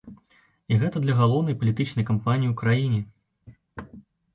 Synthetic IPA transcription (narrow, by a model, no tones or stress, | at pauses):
iɣɛt̪ɐd̪lʲɐɣalˠɔwnɐjpɐlʲit̪ɨt͡ʂnɐjkampanʲijiwkɾajinʲɛ